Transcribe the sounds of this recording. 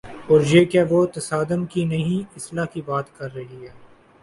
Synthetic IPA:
ɔːɾd͡ʒeːkaʋot̪ɐsaːd̪ənkinɐɦĩɪslakibaːt̪kɐɾːɐɦiɦɛː

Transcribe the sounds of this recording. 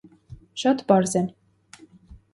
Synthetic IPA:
ʃɑt̪pɑɾzɛn

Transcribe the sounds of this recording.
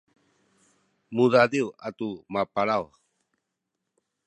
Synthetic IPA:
muðadiwat̪umapaɾaw

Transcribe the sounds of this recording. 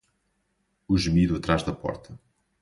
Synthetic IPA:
uʒɨmiðuɐt̪ɾaʒðɐpɔ̰ɾt̪ʰɐ

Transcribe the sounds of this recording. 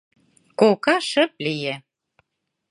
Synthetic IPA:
kokɑʃə̆p̚lije

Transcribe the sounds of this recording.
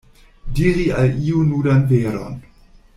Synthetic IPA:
diɾialiːunuːdanveːɾɔ̰n

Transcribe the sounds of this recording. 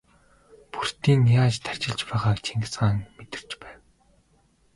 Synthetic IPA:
pur̥t̪iːnjaːt͡ɕt̪ʰar̥ʲt͡ɕɪ̆ɮt͡ɕpæːʁaːkt͡ɕʰeŋɡɪ̆t͡sɢaːŋmet̪ɪ̆r̥t͡ɕpæːw

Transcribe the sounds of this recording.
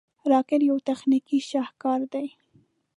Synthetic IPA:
ɾɑkɪɾjawt̪axnikiʃɑhkɑɾd̪aj

